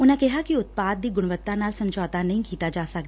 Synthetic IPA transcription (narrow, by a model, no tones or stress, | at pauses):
ʊnãːkɪɦaːkɪʊt̪̚paːd̪̚ːiːɡʊɽ̃ʋət̪ːãːnaːlsəmd͡ʒɔːt̪aːnəĩːkiːt̪aːd͡ʒaːsəkd̪aː